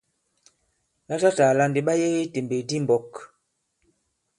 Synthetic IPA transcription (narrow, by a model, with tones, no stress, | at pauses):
la˦ta˦ta˨la˦nde˨ɓa˦je˦ɣe˦te˨mbe˨di˦m˨bɔ˨k